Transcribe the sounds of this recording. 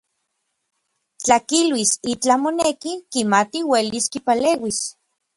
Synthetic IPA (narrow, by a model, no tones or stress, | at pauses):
t͡ɬakilwisit͡ɬamonekikimat̪iweliskipaleːwis